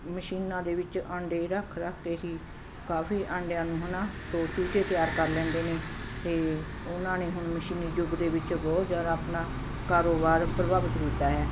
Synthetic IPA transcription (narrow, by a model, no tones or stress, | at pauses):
məʃiːnãːd̪eːʋɪt͡ʃəɳɖeːɾəkʰɾəkʰːeːɦiː | kaːfʰiːʔəɳɖjãːnũːɦʊnãːsoːt͡ʃuːt͡ʃeːt̪ɪjaːɾkəɾlɛ̃ːnd̪eːneːt̪eː | ʊnãːneːɦʊnməʃiːniːd͡ʒʊɡd̪eːbɪt͡ʃbɔːt̪zjaːɾaːpnaː | kaːɾoːbaːɾpɾəbaːʋət̪ɡ̪iːt̪ːaːɦɛː